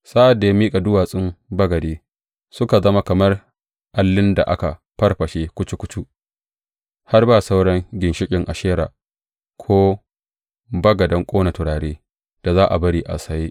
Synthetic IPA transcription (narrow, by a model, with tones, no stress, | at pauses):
sa˦ʔa˨dːa˨ja˦miː˦kʼa˨dʊ˦waː˨sʼɪ˦mbɐ˦ɡɐ˨deː˦ | sʊ˦ka˨zɐ˦ma˦kɐ˨mɐ˦r | ʔa˨lːɪ˦nda̰˨ʔa̰˦ka˨ɸɐ˦rɸɐ˨ʃeː˦kʷʊ˦t͡ʃu˦kʷʊ˦t͡ʃu˦ʔ | ha˦rbaː˦˨sa˦wɽɐ˦ŋɡʲɪ˨nʃɪ˦kʲʼɪ˨ŋʔa˨ʃeː˦ɾa̰ː˨ | kʷʰoː˦ | bɐ˦ɡɐ˨dɐ˦ŋkʷʼoː˦na˨tʊ˨ɽaː˨ɽeː˦ | d̥a˨zaː˦ʔa̰˨bɐ˦ɽiː˨ʔa̰˨sa˦ji˦ʔ